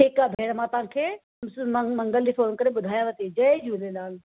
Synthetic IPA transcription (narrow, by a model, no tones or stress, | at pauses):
ɦɪkabʱeːɽmãt̪ɐɦãkʰeː | msmɐ̃ŋɡəld͡ʑiːfoːnkɐɾeɓʊd̪ʱaːjãʋɐt̪id͡ʒɐed͡ʒulelaːl